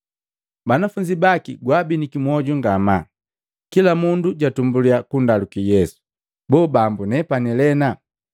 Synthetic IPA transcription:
banafuɲd͡ʒibakḭɡwabinikimwɔɟuŋɡama | kilamunduɟatumbuliakundalukijɛsu̥ | bɔːbambunɛpanɛlɛna

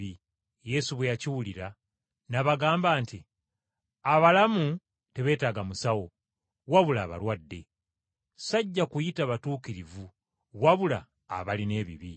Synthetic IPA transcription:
i | je̞suβwejaciwuliɾa | naβaɡaːmbaːnti | aβalamu | te̞βe̞ːtaːɡamusawo̞ | waβulaːβa̰ɾwadːe̞ | saɟːakujitaβatuːkiɾivu | waβula̰ː | βaline̞ːβḭβi

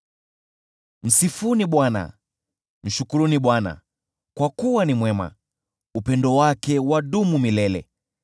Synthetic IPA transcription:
m̩sifuniɓwana̰ | m̩ʃukuɾuniɓwana̰ | kwakuwanimwɛma̰ | upɛndɔwakɛwaɗumumilɛlɛ̰

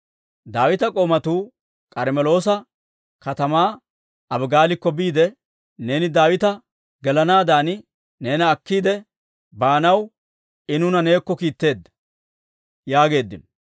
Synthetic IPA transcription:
d̪aːwɪt̪ɐkʼo̞ːmɐt̪uː | kʼɐɾmɛlo̞ːsɐ | kɐt̪ɐmaː | ɐbɡaːlɪkːɔbiːd̪ɛ | ne̞ːnɪd̪aːwɪt̪ɐ | ɡɛlɐnaːd̪aːn | ne̞ːnɐːkːiːd̪ɛ | baːnɐw | ɪnʊnɐne̞ːkːɔkiːt̪ːe̞ːd̪ːɐ̥ | jaːɡe̞ːd̪ːɪn

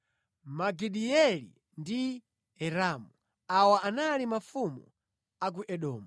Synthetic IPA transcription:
maɡiɗiɛlḭ | ndi | ɛɾaːmu | awaʔanalimafumɔ | ak̬uʔɛɗɔːmu

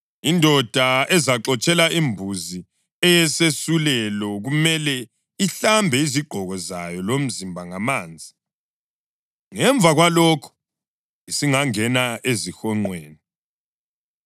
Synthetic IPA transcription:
indʱɔd̥ʱaɛzaǁɔt͡ʃʼɛlaʔimbʱuzi | ɛjɛsesulɛlɔɣumɛlɛ | iɬambʱɛiziɡ͡ǃʱɔɣɔzajɔlom̩zimbʱaŋamaːnd͡zʱi | ŋɛɱb̪vʱaɣwalɔkʰɔ̥ | isiŋaŋɛnaezixɔŋ͡ǀweːni

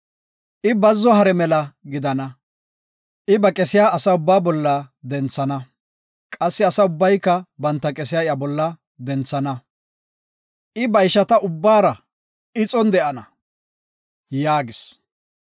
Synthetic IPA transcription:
ʔɪbɐzːɔhɐɾɛmɛlɐɡɪd̪ɐnɐ | ʔɪbɐkʼɛsɪjaːsɐʊbːaːbɔlːɐd̪ɛnt͡sːɐnɐ | kʼɐsːɪɐsɐʊbːɐjkːɐbɐnt̪ːɐkʼɛs̬ɪjaːɪjabɔlːɐ | d̪ɛnt͡sːɐnɐ | ʔɪbɐjʃɐt̪ɐʔʊbːaːɾɐ | ɪt͡sʼɔnd̪ɛʔɐnɐ | jaːɡɪs

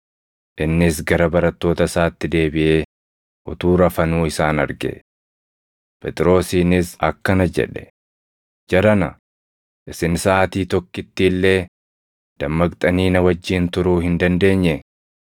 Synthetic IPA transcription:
ʔɪnːɪsɡɐɾɐbɐɾɐt̪ːo̞ːt̪ɐsaːt̪ːɪd̪e̞ːbɪʔe̞ː | ʔʊt̪uːɾɐfɐnuːɪsaːnɐɾɡɛ̰ | pʰʼɛt̪ʼɪɾo̞ːsiːnɪsɐ̰kːɐnɐd͡ʒɛ̰ᶑɛ̥ | d͡ʒɛɾɐnɐ̰ | ʔɪsɪnsaːt̪iːt̪ɔkːɪt̪ːiːlːe̞ː | d̪̥ɐmːɐkt̪ʼɐniːnɐwɐd͡ʒːiːnt̪ʊɾuːhɪnd̪ɐnd̪e̞ːɲːɛ

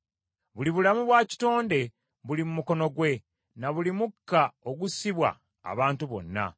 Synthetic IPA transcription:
βuliβulamuβwaːci̥to̞ːnde̞ | βulimumuko̞no̞ɡwe̞ | naβulimukːaoɡusiβwa̰ː | βaːntuβo̞̰nːa̰

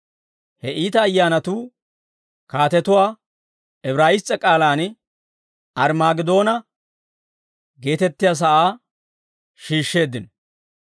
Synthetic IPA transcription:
hɛʔiːt̪ɐːjːaːnɐt̪uː | kaːt̪ɛt̪ʊwaː | ɛbɾaːjɪst͡sʼːɛkʼaːlaːn | ɐɾmaːɡɪd̪o̞ːnɐ | ɡe̞ːt̪ɛt̪ːɪjaːs̬ɐʔaː | ʃiːʃːe̞ːd̪ːɪn

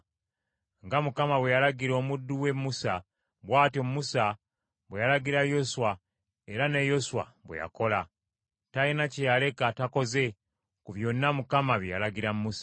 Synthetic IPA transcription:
ŋɡamukamaβwejalaɡiɾo̞ːmudːuwe̞mːusa | βwaːtomumusa | βwejalaɡiɾajo̞suwa | eɾanejo̞suwa̰βwḛja̰ko̞la | tainacejale̞katako̞ze̞ | kuβjo̞namukamaβjja̰laɡiɾammusḁ

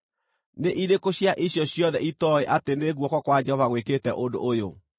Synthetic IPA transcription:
neʔiɾekoɕjaʔiɕjɔɕjɔðɛitɔeʔateneɣwɔkɔkwad͡ʒɛhɔvaɣweketɛʔodo̰ʔːjo

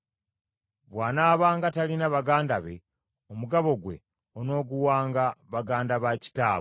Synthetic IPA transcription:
βwaːnaːβaːŋɡatalinaβaɡaːndaβḛ | omuɡaβo̞ɡwe̞̰ | ono̞ːɡuwaːŋɡaβaɡaːndaβaci̥taː

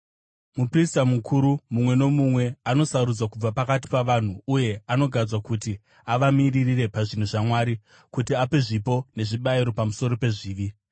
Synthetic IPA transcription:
mupristamukʰuɾumumwe̞no̞mumwe̞ano̞saɾud͡zwakub͡vapakati̥paʋan̤uuje̞ano̞ɡʱad͡zwakuti | aʋamiririre̞paʐin̤uʐamwaːɾi | kutiape̞ʐipo̞ne̞ʐiɓaiɾo̞pamuso̞ɾo̞pe̞ʐiːʋi

